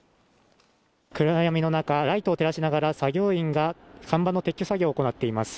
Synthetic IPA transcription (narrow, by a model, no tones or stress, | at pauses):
kɯ̟ɾajamʲino̞nakaɾait̪oːt̪e̞ɾaɕinaɡaɾasaɡʲo̞ːĩŋɡakãmbanːo̞t̪e̞kʲːosaɡʲoːko̞nat̪ːe̞imasɨ̥